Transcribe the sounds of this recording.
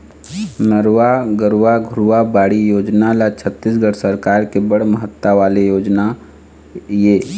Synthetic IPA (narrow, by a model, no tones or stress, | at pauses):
nəɾwaɡəɾwaɡʱʊɾuʋabaːɽijoːd͡ʒnalat͡ʃʰət̪ːis̬ɡəɽsəɾkaːɾkebəɽ̤məɦət̪ːaʋaːlejoːd͡ʒna | jeː